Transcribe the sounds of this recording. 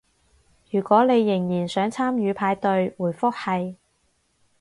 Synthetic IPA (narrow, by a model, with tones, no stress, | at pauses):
jyː˨˩kʷɔː˨˥ne˨˧jːɪ˨˩ŋjiː˨˩nsœː˨˥ŋt͡sʰaː˥mjyː˨˧pʰaː˨˧jt̪ɵ˧ɥwuː˨˩jfʊ˥k̚hɐ˨j